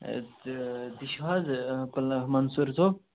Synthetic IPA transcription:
d̪iʃwazplmɐnsuɾt̪ʰo

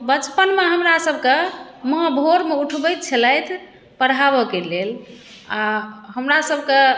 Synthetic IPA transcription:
bət͡ʃpənmeɦəmɾasəbʱkeməɦəbʱoɾmeuʈʰbəjt̪̚t͡ʃʰələjt̪ʰ | pəɽɦabɔkelel | aɦəmɾasəbʱke

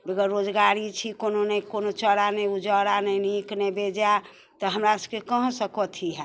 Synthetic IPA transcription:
beɡəɾɾːod͡ʒɡaɾit͡ʃʰikononəjkonot͡ʃəɾanəjud͡ʒəɾanəjniknɛbed͡ʒa | t̪ɔɦəmɾasəkekəɦsəkɔt̪ʰiɦɛ

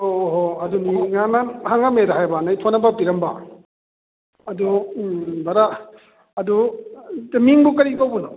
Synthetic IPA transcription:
oɦoɐduniŋanahaŋamedaɦajbanajtʰonɐbapiɾɐmba | ɐdu | baɾa | ɐdutmiŋbukɐɾipawbunɔ

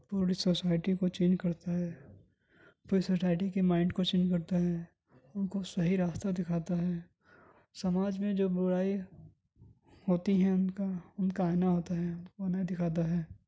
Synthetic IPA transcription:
puːɾisosaːɪʈikot͡ʃẽːnd͡ʒkɐɾt̪aɦɛː | puɾisosaːɪʈikemaːɪ̃ɳɖkot͡ʃẽːnd͡ʒkɐɾt̪aɦɛː | ʊnkosɐɦiɾaːst̪ad̪ɪkʰaːt̪aɦɛː | sɐmaːd͡ʒmẽd͡ʒoːbʊɽaːi | hoːt̪iɦɛ̃ʊnkaʊnkaːɪnaɦoːt̪aɦɛʊnkobɐnaːid̪ɪkʰaːt̪̬aɦɛː

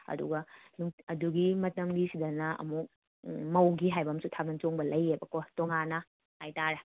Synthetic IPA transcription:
ɐ̰dṵɡɐnuŋɐduɡimɐtɐmɡisidɐnɐɐ̰muk̚ | mɐwɡiɦajbɐmsutʰabɐnt͡ʃoŋbɐlɐjebɐkotoŋanɐ | ajtaɾɐ

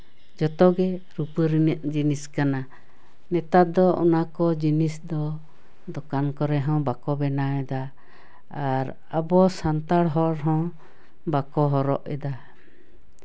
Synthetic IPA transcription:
d͡ʒɔt̪ɔɡɛ | ɾupəɾinəʔ̚d͡ʒiniskana | nɛt̪at̪̚d̪ɔɔ̰nakɔd͡ʒinisd̪ɔ | d̪ɔkankɔɾɛɦɔ̃bakɔbɛnaɛd̪a | aɾ | abɔsant̪aɽɦɔɾɦɔ̃ | bakɔɦɔɾɔ̰ʔɛ̰d̪a

